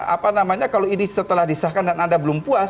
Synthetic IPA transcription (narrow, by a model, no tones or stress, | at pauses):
a̰panamaɲakaloinisət̪əlahdisahkandanandabəlʊmpuas